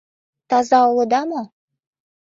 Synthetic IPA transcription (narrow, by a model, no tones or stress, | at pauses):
t̪ɑzɑwlˠɤ̆d̪ɑmo